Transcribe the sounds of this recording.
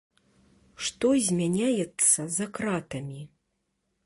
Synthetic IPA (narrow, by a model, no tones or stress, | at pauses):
ʂt̪ɔzʲmʲanʲajɛt̪sːɐzakɾat̪ɐmʲi